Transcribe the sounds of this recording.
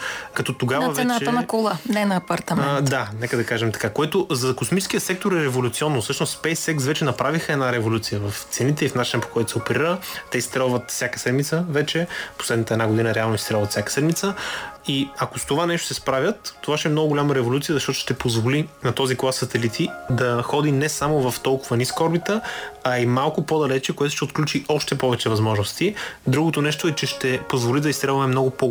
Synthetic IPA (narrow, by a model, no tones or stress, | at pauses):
kɐt̪ɔt̪oɡavɐvɛnaɛənɐkolˠanɛnɐːpɐɾt̪ɐmɛnnd̪anɛkəd̪ɐkaʒɛmt̪ɐ̥kakoɛt̪ʊzɐkosmit͡ʃɛskijəsɛk̚t̪oɾɛɾɛvolʲut̪siɔnːʊsɤʃnost̪ːpɛjsɛksvɛt͡ʃɛnɐpɾʔavixəɛd̪naɾɛvolʲut̪sijəvɐft̪sɛnit̪ɛifnat͡ʃinəpo̥kɔjt̪ʊ̥sɛopɛɾiɾət̪ɛist̪ɾɛlˠvət̪fsʲjakə̥sɛd̪mit̪səvɛt͡ʃɛpo̥slɛd̪nit̪əɛd̪naɡʊd̪inəɾɛalˠnoist̪ɾɛlˠvɐt̪sʲakə̥sɛd̪mit̪səiɐkost̪ovanɛʃt̪o̥sɛspɾavʲjət̪ːovaʃɛːmnɔɡʊɡoʊlʲaməɾɛvolʲut̪siəzɐʃt̪ɔt̪ʊʃt̪ɛpozvolinɐt̪ɔziklˠasːɐt̪ɛlit̪ʰid̪ɐxɔd̪inɛsamovɐft̪ɔlˠkʊvəniskɔɾbit̪əɐimalˠkʊpod̪ɐlɛt͡ʃɛkoɛt̪ʊʃt̪ɛot̪̚klʲut͡ʃiʔɔʃt̪ɛpɔvɛt͡ʃɛvɐzmɔʒnʊst̪id̪ɾuɡot̪onɛʃt̪oɛt͡ʃɛʃt̪ɛpozvolid̪ɐist̪ɾɛlˠvəmɛmnɔɡʊpo